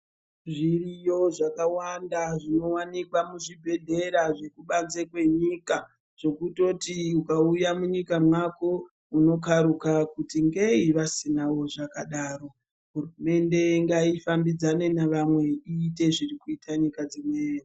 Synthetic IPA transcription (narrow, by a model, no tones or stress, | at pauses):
ʐirijo̞ʐakawandaʐino̞wanikwamuʐibʱe̞ɮe̞ɾaʐe̞kuɓanzekwe̞ɲiːka | ʐ̥o̞kuto̞tiukaujamuɲikamwako̞ | uno̞kaɾukakutiŋɡeiʋasinawo̞ʐakaɗaːro̞ | ɦurume̞nde̞ŋɡaifambid͡zane̞neʋamwe̞iːte̞ʐirikuitʰaɲikad͡zimweːro